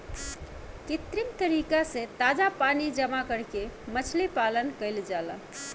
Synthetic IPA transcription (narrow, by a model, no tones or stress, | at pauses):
kit̪ɾimt̪əɾikasẽt̪ad͡ʒapanid͡ʒəmakəɾkemət͡ʃʰlipalənkəɪld͡ʒalə̰